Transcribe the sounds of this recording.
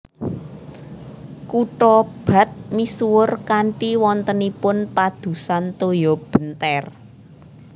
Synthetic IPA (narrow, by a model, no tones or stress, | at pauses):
kuʈɔb̥ä̤t̪̚misuwʊrkaɳʈiwɔnt̪ənipʊnpad̪̥ṳsant̪ojɔb̥ənt̪ɛr